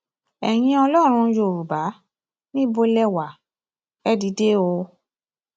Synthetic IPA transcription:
ɛ˨j̃ĩ˧ɔ˧lɔ˦˨ɾ̃ũ˧˦jo˧˨ɾu˨ba˨˦ | nĩ˦bo˧lɛ˦wa˨ | ɛ˦di˧˦de˦o˧

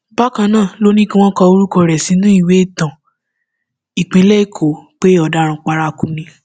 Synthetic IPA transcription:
ba˦kã˧nãː˦˨lo˦nĩ˦ki˦w̃ɔ̃˦kɔ˧o˧˦ɾu˦kɔ˧ɾɛ˨sĩ˨˦nũ˦i˦˨we˨˦i˦˨tã˨ | i˨k͡pĩ˧˦lɛ˦i˦˨kʰo˨k͡pe˦ɔ˧˨da˨˦ɾ̃ũ˧k͡pa˧ɾa˧kũ˧nĩ˧

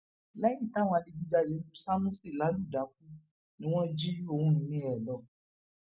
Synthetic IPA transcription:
lɛ˦jĩ˦˨ta˦w̃ã˧li˧bu˦da˧˨je˨˦u˦sa˦nũ˦si˦˨la˨˦lu˦˨da˨˦k̚u˦ | nĩ˦w̃ɔ̃˦d͡ʒi˦o˨wũ˦ñ̩˨nĩ˦ɛ˨lɔ˨

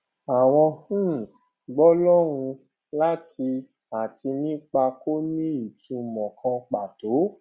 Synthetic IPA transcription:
a˨w̃ɔ̃˧h̩˦˨ | ɡ͡bɔ˦lɔ˦ɾ̃ũ˧ | la˦ti˧ | a˨ti˧nĩ˦k͡pa˧ko˦nĩ˦i˨tũ˨˧˨mɔ̃˨kʰã˧k͡pa˨to˨˦

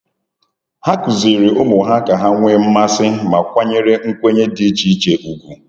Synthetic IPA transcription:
ha˦kʊ˨zi˨ɾi˨ʊ˦mʊ˨ɦa˦ka˨ɦa˦ŋʷe˦m̩˦ma˦sɪ˦ma˨kʷa˦ɲe˦ɾe˦ŋ̩˦kʷe˦ɲe˦di˦t͡ʃi˦t͡ʃe˦ʔu˨ɡʷu˦

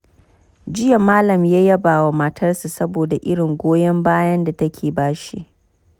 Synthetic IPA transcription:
d͡ʒɪ˦ja˨maː˦lɐ˨mjaː˦jɐ˦baː˨wa˨mɐ˦tʰɐ˦rsu˨sɐ˦boː˨da˨ʔɪ˦ɽɪ˨ŋɡʷoː˦jɐ˦mbaː˦jɐ˦nda˨tɐ˦kʲʰeː˨baː˦ʃi˦ʔ

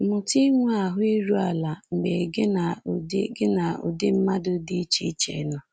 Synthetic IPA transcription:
mʊ˨ti˦ŋʷ˦a˨ɦʊ˦i˦ɾu˦a˨la˨ŋ͡m̩˨ɡ͡be˨ɡe˦na˨dɪ˦ɡɪ˦na˨ʊ̰˨dɪ˦m̩˦ma˦dʊ˦di˦t͡ʃi˦t͡ʃḛ˨˦nɔ˦

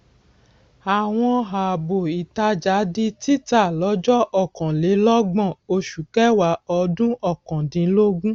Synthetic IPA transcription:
a˨w̃ɔ̃˧ɦa˨bo˨i˨ta˧d͡ʒa˨˦di˧ti˦ta˦˨lɔ˨˦d͡ʒɔ˦ʔɔ˦˨kɔ̃˨le˨˦lɔ˦ɡ͡bɔ̃˦˨o˧ʃu˨kɛ˦wa˨˦ɔ˧dũ˦ʔɔ˦˨kɔ̃˨dĩ˨˦lo˦ɡũ˦

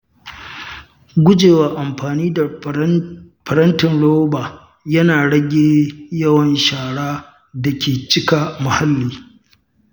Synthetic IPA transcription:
ɡʷʊ˦d͡ʒeː˨waː˨ʔa˨mɸaː˨niː˦da˨ | pɐ˨ɾɐ˦ntɪ˨nɽoː˦baː˨ | jɐ˦naː˨ɽɐ˦ɡʲeː˦jɐ˦wɐ˦nʃaː˨ɽaː˦ | da˨kʲeː˨t͡ʃɪ˦ka˨mʊ˨ha˦lːiː˦˨

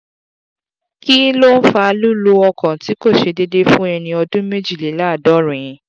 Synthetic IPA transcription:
ki˦lo˦n̩˦fa˧lu˦lu˦ɔ˧kã˨ti˨˦ko˦˨ʃe˧de˧de˦fũ˦ɛ˧nĩ˧ɔ˧dũ˦me˦d͡ʒi˦˨le˨˦la˦˨dɔ˨˦ɾĩ˨˦

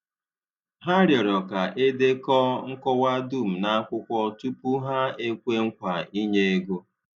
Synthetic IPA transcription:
ɦa˦ɾjɔ˨ɾɔ˨ka˨ʔe˦de˦kɔ˦ŋ̩˦kɔ˦wa˦du˦˨m̩˨na˦kʷʊ˦kʷɔ˦tu˦pu˦ɦa˦e˦kʷe˦ŋ̩˦kʷa˨i˦ɲe˦e˦ɡo˦

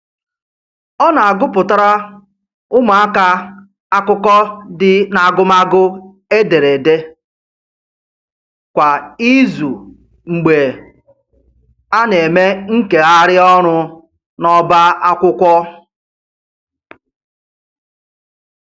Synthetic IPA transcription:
ɔ˦na˨a˨ɡʊ˦pʊ˨ta˦ɾa˦ | ʊ˦mʊ˨a˦ka˦ | a˦kʊ˦kɔ˦dɪ˨na˨a˨ɡʊ˦ma˦ɡʊ˦ | e˦de˨ɾe˨de˦ | kʷa˨i˦zu˨ | ŋ͡m̩˨ɡ͡be˨ | a˦ne˨me˦ŋ̩˦ke˨a˦ɾɪ˦ɔ˦ɾ̃ʊ˦ | nɔ˦ba˦a˦kʷʊ˦kʷɔ˦

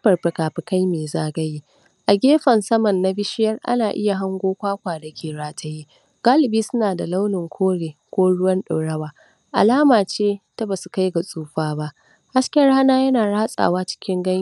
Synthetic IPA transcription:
ɸɐ˨rɸɪ˨kaː˨ɸɪ˨ka˦jmeː˨zaː˦ɡɐ˦ji˦ | ʔa˨ɡʲeː˦ɸɐ˨nsɐ˦mɐ˨nːa˦bɪ˦ʃɪ˦jɐ˦rʔa̰˦naː˨ʔɪ˦ja˨ɦa˦ŋɡʷoː˦kʷaː˦kʷaː˨dɐ˨kʲeː˨ɽaː˦tʰɐ˦ji˦ | ɡ̥aː˦lɪ˨biː˦sʊ˦naː˨da˨la˦wnɪ˨ŋkʷʰoː˦ɽeː˨kʷoː˦ɽʊ˦wɐ˦nɗa˨ɽɐ˦waː˨ | ʔa̰˨laː˦maː˨t͡ʃeː˦ta˦ba˨su˨ka˦jɡa˨sʼuː˦ɸaː˦ba˦ʔ | ha˦skʲe˦ɽaː˦naː˦jɐ˦naː˨ɽaː˦sʼa̰ː˨waː˦t͡ʃɪ̥˦kʲɪ˦ŋɡɐ˦

